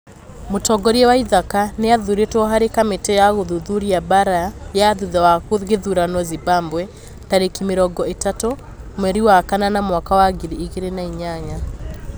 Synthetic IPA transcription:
motɔɡɔɾiɛwaiðakaneaðuɾetwɔɦaɾekametɛjaɣoðuðuɾiabaɾajaðuðawakoɣeðuɾanwɔzibambwɛ | taɾekimeɾɔɡɔetato | mwɛɾiwakananamwakawaɡiɾiːɣeɾenaiɲaɲa

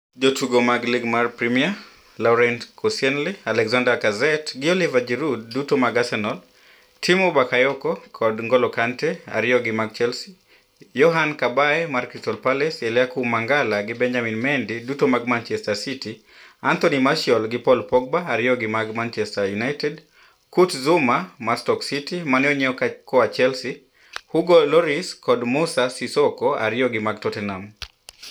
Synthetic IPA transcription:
d͡ʒotʰuɡomaɡliɡmarpɾimia | lawɾɛntkʰɔsjɛnlialɛkzandakazɛtɡɪolivad͡ʒɛɾud̚ːutomaɡasɛnɔl | tʰimobakajɔkɔkʰɔdŋɡɔlɔkantɛa̰ɾɪjɔɡɪmak̚t͡ʃɛlsi | jɔɦankabaɛmarkɾistɔlpalɛsɛljakumaŋɡalaɡɪbɛɲd͡ʒaminmɛndidutomaɡ̚mant͡ʃɛstasiti | ant̪onimaʃɔlɡɪpɔlpɔɡ̚baːɾɪɔɡɪmaɡmant͡ʃɛstajunajtɛd | kutzumamastɔksitimanɛɔɲɛɔkakɔwat͡ʃɛlsi | huɡolɔɾiskʰɔdmusasisɔkɔa̰ɾɪjɔɡɪmaɡtɔtɛnam

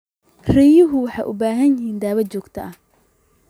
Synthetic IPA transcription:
rɛjʊɦʊwɑħɑ̰jʔʊ̰baːɦɐnjɪɦiːnd̪aːβɐt͡ʃɔːɡt̪ʰɐ̰ʔɐh

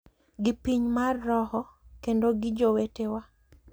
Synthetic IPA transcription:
ɡɪpiɲmarːɔhɔkendoɡɪd͡ʒowetewa

